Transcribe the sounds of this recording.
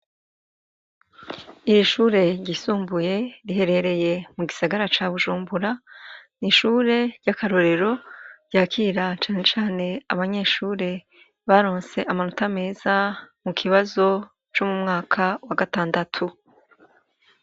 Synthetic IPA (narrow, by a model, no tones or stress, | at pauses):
iɾiʃuːɾe̞ɟisuːmbuje̞ɾiɦe̞ɾe̞ɾe̞je̞muɡisaɡaɾat͡ʃaβuʒuːmbuɾaniʃuːɾe̞ɾɟakaɾo̞ɾe̞ɾo̞ɾɟ̥aːkʰiɾat͡ʃaːne̞t͡ʃaːne̞aβaɲe̞ʃuːɾe̞ | βaɾo̞ːnse̞ʔamanotame̞ːzamukʰiβazo̞ | t͡ʃomumŋaːkʰawaɡataːndatʰu